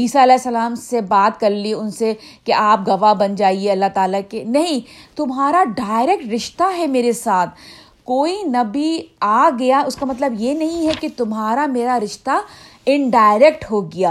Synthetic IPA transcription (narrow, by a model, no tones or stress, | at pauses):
iːsaɐlɛːsːɐlaːmsebaːt̪kɐɾliʊnse | keʔaːp̚ɡɐʋabɐnd͡ʒaːieɐlːaɦt̪aːlakenɐɦĩt̪ʊmɦaːɾaɖaːɪɾɛːk̚ʈɾɪʃt̪aɦɛmeːɾesaːt̪ʰ | koːinɐbʱiaːɡɐjaʊskamɐt̪̬ləbjenɐɦĩɦɛket̪ʊmɦaːɾameːɾaɾɪʃt̪aɪ̃ɳɖaːɪɾɛːk̚ʈɦoɡɐjaː